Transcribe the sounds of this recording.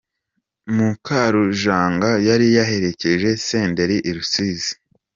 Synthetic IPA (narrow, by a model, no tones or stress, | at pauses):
mukʰaɾuʒaːŋɡajaɾijaɦe̞ɾe̞ce̞ʒe̞seːnde̞ɾiʔiɾusizi̥